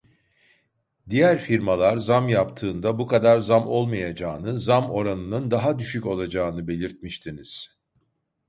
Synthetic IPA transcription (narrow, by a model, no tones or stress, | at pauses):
d̪ijæɾfiɾmalˠaɾzamjapt̪ʰɯːnd̪abukad̪aɾzamo̞lˠmajad͡ʒaːnɯzamo̞ɾanɯnɯnd̪aɦad̪yʃyco̞lˠad͡ʒaːnɯbe̞lʲiɾt̪̚miʃt̪ʰiniz̥